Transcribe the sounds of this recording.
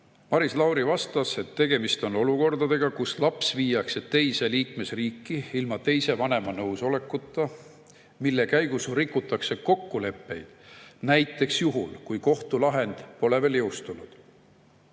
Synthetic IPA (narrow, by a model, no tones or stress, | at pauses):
mɑɾislɑwɾivɑst̪ɑse̞t̪ːe̞ɡe̞mist̪o̞no̞luko̞rd̪̥ɑd̪e̞ɡ̥ɑkuslɑpsviːjɑkse̞tt̪ːe̞jse̞liːkme̞sriːkːiilmɑt̪e̞jse̞vɑne̞mɑnɤwso̞le̞kːˑut̪ːˑɑ | milːe̞kæjɡ̥usrikːut̪ːˑɑkse̞ko̞kːule̞pːe̞jd̪̥næjt̪ːˑe̞ksjuɦulkujko̞ht̪ulɑɦe̞nd̪̥po̞le̞ve̞ljɤwst̪unud̪̥